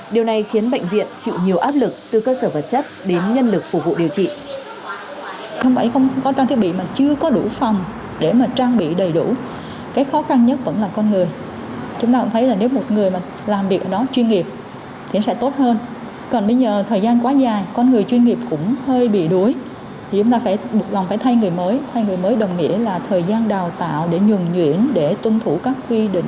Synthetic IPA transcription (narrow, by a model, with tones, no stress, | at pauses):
ɗi˨˩əwna˨˩jxi˨˦ənɓə̰˧˨jŋ̟vḭ˧˨ənt͡ɕḭ˧˨wɲi˨˩əwʔaː˦˥p̚lɨ˨˩k̚t̪ɨ˨˩kəː˧səː˧˩və˨˩t̚t͡ɕə˦˥t̚ɗe˨˦nɲə˧nlɨ˨˩k̚fʊ˧˩k͡p̚vṵ˧˨ɗi˨˩əwt͡ɕḭ˧˨ | xwŋ͡mfaː˧˩jə˧ŋ͡mkɔ˧˦t͡ɕaː˧t̪ʰi˦˥əɓḭ˧˨maː˨˩t͡ɕɨ˧əkɔ˨˦ɗu˧˩fa˨˩wŋ͡m | ɗe˧˩maː˨˩t͡ɕaː˧ŋɓḭ˧˨ɗə˨˩jɗṵ˧˩ | kaː˨˦jk̚xɔ˨˦xa˧nɲə˦˥t̚və̰˧˥nlaː˨˩kɔ˧nŋɨ˨˩əj | t͡ɕʊ˨˦ŋ͡mt̪aː˧kʊ̰˧˥ŋ͡mt̪ʰə˦jlaː˨˩ne˨˦wmo˨˩t̚ŋɨ˨˩əjmaː˨˩ | laː˨˩mvi˨˩k̚ʔəː˧˩ɗɔ˨˦t͡ɕwi˧nŋi˨˩əp̚ | t̪ʰi˨˩˦sɛ̰˧˥t̪o˦˥t̚həː˧n | kɔ˨˩nɓə˧jzəː˨˩t̪ʰəː˨˩jzaː˧nkwaː˨˦zaː˨˩jkɔ˧nŋɨ˨˩əjt͡ɕwi˧ənŋi˨˩əp̚kʊ̰˧˥ŋ͡mhəː˧jɓḭ˧˨ɗu˨˦əj | t̪ʰi˨˩t͡ɕʊ˨˦ŋ͡mt̪aː˧faː˧˩jmo˨˩t̚la˨˩wŋ͡mfaː˧˩jt̪ʰa˧jŋɨ˨˩əjməː˨˦jt̪ʰa˧jŋɨ˨˩əjməː˨˦jɗə˨˩wŋ͡mŋḭ˧˥əlaː˨˩t̪ʰəː˨˩jzaː˧nɗaː˨˩wt̪a̰ː˧˨wɗe˧˩ɲwɨ˨˩ŋɲwḭ˧˨ənɗe˧˩t̪ʊ˧ŋ͡mt̪ʰu˧˩kaː˦˥k̚kwi˧ɗḭ̈˧˨ŋ̟